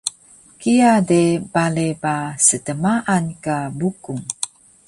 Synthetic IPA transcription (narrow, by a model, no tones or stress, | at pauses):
kijadebalepasətəmaʔankabukuŋ